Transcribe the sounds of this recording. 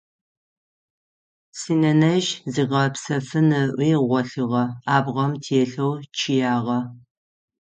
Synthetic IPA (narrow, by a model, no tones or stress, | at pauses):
siːnɐnɐʒziːʁɐpsɐfɨnɨʔʷiːʁʷɔɬɨʁɐaːbʁɐmtʰeːɬɐwt͡ʃʰɪjaːʁɐ